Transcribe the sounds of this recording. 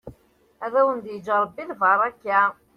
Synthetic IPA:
æðæwənd̪jəd͡ʒəɾˤəbːiðvɑɾˤækːa

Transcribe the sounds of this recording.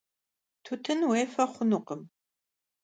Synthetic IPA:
tʰutʰɨnweːfɐχʷʊnʊqəm

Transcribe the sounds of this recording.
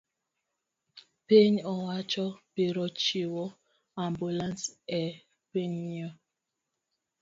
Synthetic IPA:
peɲɔwat͡ʃɔpeɾɔt͡ʃiwɔ | ambulansɛ | peɲiɔ

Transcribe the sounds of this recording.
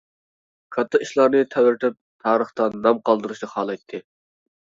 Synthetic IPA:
kʰɑt̪ʰːɑiʃlˠɑɾnɨt̪ʰɛwɾt̪ʰɪp̚t̪ʰɑːɾəχt̪ɑnɑmqʰɑlˠd̪ɨɾuʃnɨχɑːlˠɑjt̪ʰːɨ

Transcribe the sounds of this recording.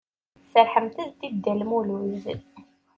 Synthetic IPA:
səɾħəmt̪əðt̪id̪ːælmuluz

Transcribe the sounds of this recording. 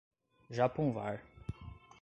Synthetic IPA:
ʒapõw̃vaɾ

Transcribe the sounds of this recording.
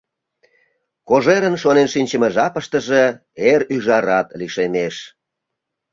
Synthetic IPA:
koʒeɾənʃonenʃinʲt͡ɕəmeʒɑpəʃt̪ə̆ʒe | eɾyʒɑɾɑt̪liʃemeʃ

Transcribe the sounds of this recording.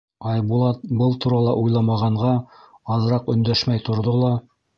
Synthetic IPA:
ɑjbulˠɑt̪bɤlˠt̪uɾɑlˠɑ̰ʔujlˠɑmɑʁɑɴʁɑ | ɑðɤ̆ɾɑqɵ̆nd̪æʃmæjt̪ŏɾðolˠɑ

